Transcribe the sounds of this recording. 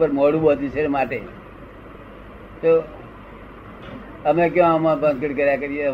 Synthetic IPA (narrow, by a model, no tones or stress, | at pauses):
pəɾmoːɽubõt̪ĩt͡ʃʰemaːʈḛ | t̪o | əmẽkjõmãpənkəʈkəɾjakəɾije